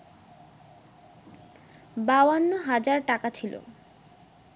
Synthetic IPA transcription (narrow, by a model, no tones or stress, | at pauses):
bawanːoɦad͡ʑaɾʈakat͡ɕʰilo̰